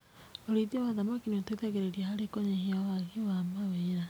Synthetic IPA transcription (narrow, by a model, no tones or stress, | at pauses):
oɾiðiawaðamakiniotwiðɛɣeɾeɾiahaɾekoɲeheawaɣewamaweɾa